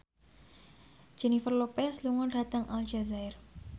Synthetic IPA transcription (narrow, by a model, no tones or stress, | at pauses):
d͡ʒ̥ɛnifərlopɛsluŋɔndat̪aŋʔald͡ʒazaɪr